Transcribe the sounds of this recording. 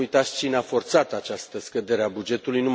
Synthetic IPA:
ujt̪at̪st͡ʃineafo̞rt̪sat̪at͡ʃast̪əskəd̪e̞ɾeabud͡ʒe̞t̪ulujnu

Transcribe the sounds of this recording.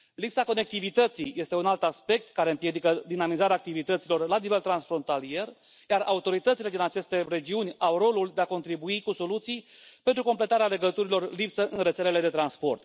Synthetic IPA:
lipsako̞ne̞k̚t̪ivit̪ət̪sijje̞st̪e̞unalt̪aspe̞k̚t̪kaɾe̞ɨmpjed̪ikəd̪inamizaɾeaːkt̪ivit̪ət̪silo̞rlanive̞lt̪ɾansfɾo̞nt̪alije̞r | jaraut̪o̞ɾit̪ət̪sile̞d̪inat͡ʃe̞st̪e̞re̞d͡ʒiunʲawro̞luld̪eako̞nt̪ɾibuikuso̞lut̪sij | pe̞nt̪ɾuko̞mple̞t̪aɾeale̞ɡət̪uɾilo̞rlipsəʔɨnret̪sele̞le̞d̪e̞t̪ɾanspo̞rt̪

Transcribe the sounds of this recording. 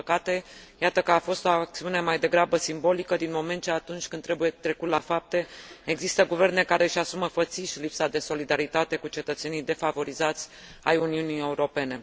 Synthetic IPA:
əkat̪e̞jat̪əkəafo̞st̪o̞ak̚t̪siune̞majd̪e̞ɡɾabəsimbo̞likəd̪inmo̞me̞nt̪̚t͡ʃeat̪unt͡ʃʲkɨnt̪ːɾe̞buje̞t̪ɾe̞kut̪lafap̚t̪e̞eɡzist̪əɡuve̞rne̞kaɾe̞ɨʃasuməfət̪siʃlipsad̪e̞so̞lid̪aɾit̪at̪e̞kut͡ʃe̞t̪ət̪se̞nijd̪e̞favo̞ɾizat̪sʲ | ajuniunije̞uɾo̞pe̞ne̞

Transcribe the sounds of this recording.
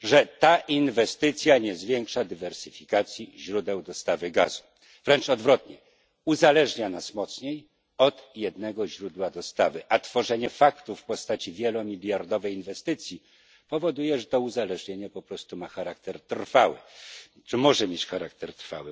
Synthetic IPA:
ʐɛt̪aʔinvɛst̪ɘt̪sʲjaɲɛzvʲjɛŋkʂad̪ɘvɛɾsɘfʲikat̪sʲjiʑɾud̪ɛwd̪ɔst̪avɘɡa̰zu | v̥ɾɛnt͡ʂɔd̪vɾɔt̪ɲɛ | uzalɛʐɲanasmɔt̪sɲej | ɔt̪jɛd̪nɛɡɔʑɾud̪wad̪ɔst̪avɘʔat̪fɔʐɛɲɛfakt̪ufpɔst̪at͡ɕivʲjɛlɔmʲilʲjaɾd̪ɔvɛjinvɛst̪ɘt̪sʲji | pɔvɔd̪ujɛʐɛt̪ɔuzalɛʐɲeɲapɔpɾɔst̪umaxaɾakt̪ɛɾt̪rfawɘ̰ | t͡ʂɘmɔʐɛmjet͡ɕxaɾak̚t̪ɛɾt̪ɾfa̰wɘ

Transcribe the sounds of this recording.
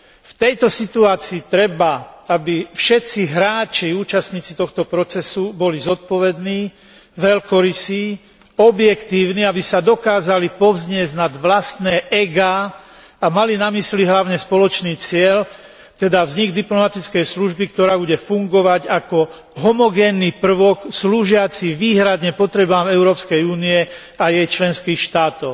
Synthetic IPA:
ft̪ɛjt̪ɔsit̪uaːt͡siːt̪ɾɛbaabifʃɛt̪t͡siɦɾaːt͡ʃiuːt͡ʃast̪ɲiːt͡si̥t̪ɔxt̪ɔpɾɔt͡sɛsubɔlizɔt̪̚pɔʋɛd̪niː | ʋɛlkɔɾisi | ɔbjɛkt̪iːʊniabisad̪ɔkaːzalipɔʋzɲɪɛznad̪ʋlast̪nɛːʔɛɡaː | amalinamisliɦlaʊɲɛspɔlɔt͡ʃniːt͡sɪɛʎ | t̪ɛd̪avzɲiɡd̪iplɔmat̪it͡skɛjsluʒbikt̪ɔɾaːbuɟɛfuŋɡɔʋaɟakɔ | ɦɔmɔɡɛːnːipr̩ʋɔksluːʒɪat͡siʋiːɦɾad̪ɲɛpɔt̪ɾɛbaːmɛʊɾɔːpskɛjuːniɛ | ajɛjt͡ʃlɛnskiːxʃt̪aːt̪ɔʊ

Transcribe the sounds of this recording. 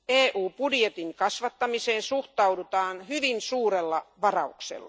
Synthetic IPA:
eːʔuːpudjet̪iŋkɑsʋɑt̪ːɑmiseːnsuht̪ɑudut̪ɑːnhyʋinsuːɾelːɑʋɑrɑuksḛlːɑ̰

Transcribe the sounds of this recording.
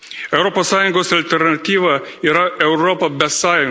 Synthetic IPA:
ɛʊɾoːpoːsːɑːjʊŋɡoːsɐlʲt̪ʲɛɾnɐt̪ʲiːʋɐiːɾɐɛʊɾɔːpɐbʲɛsɑːjʊŋ

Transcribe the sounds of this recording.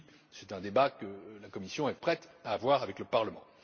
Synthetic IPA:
sɛt̪ɛ̃d̪ebakəlakɔmisjɔ̃ɛpχɛt̪aːvwaʁavɛkləpaʁləmɑ̃

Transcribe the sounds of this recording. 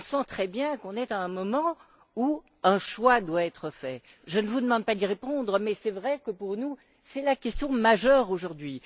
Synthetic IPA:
ɔ̃sɑ̃t̪χɛbjɛ̃kɔ̃nɛt̪aɛ̃mɔmɑ̃ | u | ɛ̃ʃwad̪waɛt̪χəfɛ | ʒənəvud̪əmɑ̃d̪̚pad̪iʁepɔ̃d̪ʁəmɛsɛvʁɛkəpuʁnu | sɛlakʲɛst̪jɔ̃maʒœʁoʒuʁd̪ɥi

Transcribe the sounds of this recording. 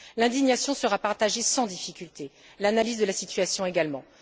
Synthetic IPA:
lɛ̃d̪iɲjasjɔ̃səʁapaʁt̪aʒesɑ̃d̪ifikʲylt̪e | lanalizd̪əlasit̪yasjɔ̃eɡalmɑ̃

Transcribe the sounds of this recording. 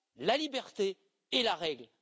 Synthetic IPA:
lalibɛʁt̪eː | laʁɛɡl

